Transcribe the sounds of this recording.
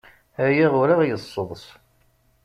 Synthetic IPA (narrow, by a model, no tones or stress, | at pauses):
æjiʁʊɾaʁjəsˤːoðˤs